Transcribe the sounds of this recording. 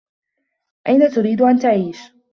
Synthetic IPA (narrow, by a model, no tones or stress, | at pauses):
ʔajnat̪ʊɾiːd̪ʊʔant̪aʕiːʃ